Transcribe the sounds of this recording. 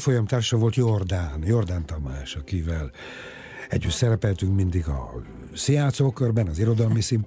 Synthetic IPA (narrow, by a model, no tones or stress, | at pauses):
fojɒmt̪aːrʃɒvo̞lt̪jord̪aːnjord̪aːnt̪ɒmaːʃɒkivɛl | ɛ̰ɟːyt̪sɛɾɛpɛlt̪yŋkmind̪iɡɒ̰ | sijaːnt̪soːkørbɛnɒziɾo̞d̪ɒlmisim